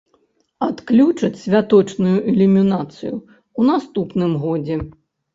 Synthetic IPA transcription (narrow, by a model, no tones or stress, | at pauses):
at̪klʲut͡ʂɨt͡sʲsʲvʲat̪ɔt͡ʂnujuʔɛlʲimʲinat̪sɨju | unast̪upnɨmɣɔd͡zʲɛ